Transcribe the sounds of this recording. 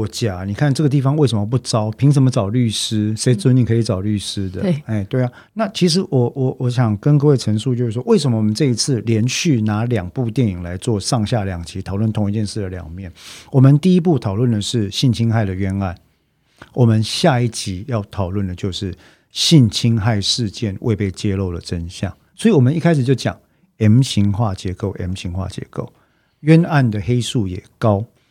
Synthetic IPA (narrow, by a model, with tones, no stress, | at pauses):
t͡ɕja˨˩ni˨˩kʰa˥˨nʈ͡ʂɤ˥˩ɡə˩t̪i˥˩fɑ˧˦ŋwe˥˩ɪʂə˧˦mə˧p̬u˥˩ʈ͡ʂɑ˦˥ʊpʰi˧˥ŋʂ̬ə˧˥nmə˧t͡sɑ˨˩ʊly˥˩ʂ̩˥ʂe˧˥ɪt͡s̩˥˧˦ni˨˩kʰɤ˧i˨˩t͡sɑ˨˩ʊly˥˩ʂɻ̩˥d̪ə˨e˥˩ɪt̪we˥˩ɪa˨˩ | na˥˨t͡ɕʰi˧˥ʂ̬ɻ̩˧˥wɔ˨˩˦wɔ˨˦wɔ˧˦˥ɕjɑ˨˩ŋkə˧˦nkɤ˥˧we˥˩ɪʈ͡ʂʰə˧˥ŋʂu˥˧t͡ɕjo˥˧ʊʂɻ̩˥˩ʂwɔ˥we˥˩ɪʂə˧˦mə˦wɔ˨˩mə˦nʈ͡ʂɤ˥˧i˧˥t͡sʰɹ̩˥˩ljɛ˧˦˥nɕy˥˩na˧˥ljɑ˨˩ŋpu˥˧t̪jɛ˥˨˩ni˨˩ŋla˧˦ɪt͡swɔ˥˧ʂɑ˥˧ŋɕja˥˩ljɑ˨˩ŋt͡ɕʰi˧˥t̪ʰɑ˨˩ʊlwə˥˩nt̪ʰʊ˧˥ŋi˧t͡ɕjɛ˥˧nʂɻ̩˥˩d̪ə˩ljɑ̰˨˩ŋmjɛ˥˩nwɔ˨˩mə˨˦nt̪i˥˧i˦˥p̬u˥˩t̪ʰɑ˨˩ʊlwə˥˩nd̪ə˩ʂɻ̩˥˩ɕi˥˩nt͡ɕʰi˥ŋxa˥˩ɪd̪ə˩ɥɛ˥na˥˩n | wɔ˨˩mə˦nɕja˥˧i˥˩t͡ɕi˧˦jɑ˥˩ʊt̪ʰɑ˨˩ʊlwə˥˩nd̪ə˩t͡ɕjo˥˧ʊʂɻ̩˥˩ | ɕi˥˨nt͡ɕʰi˥ŋxa˥˧ɪʂɻ̩˥˧t͡ɕjɛ˥˨nwʔḛ˥˧ɪpe˥˩ɪt͡ɕjɛ˥˦lo˥˩ʊlə̰˨˩ʈ͡ʂə˦nɕjɑ̰˥˩ŋ | swɔ˧˥i˨wɔ˨˩mə˦ni˥˧kʰa˥ɪʂɻ̩˨˩t͡ɕjo˥˩ʊt͡ɕjɑ̰˨˩ŋ | ɛ˧˥mɕi˧˥ŋxwa˥˩t͡ɕjɛ˧˥ko˥˩ʊʔɛ˧˥mɕi˧˥ŋxwa̰˥˩t͡ɕjɛ̰˧˥ko˥˩ʊ | ɥɛ˦na˥˩nd̪ə˩xe˥ɪsu˥˩jɛ˨˩kɑ˦ʊ